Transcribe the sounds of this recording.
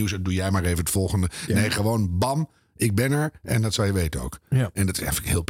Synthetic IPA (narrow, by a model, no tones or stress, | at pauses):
iwsdujɛjmaːɹejvənətfɔlˠχəndənejχəʋownbɑm | ʔɪɡ̚bɛnɛɹɛ̰ndɑtsɑlˠjəʋejtəno̰wkɛndɑtɪsɛ̰jfələkɦɪːlˠp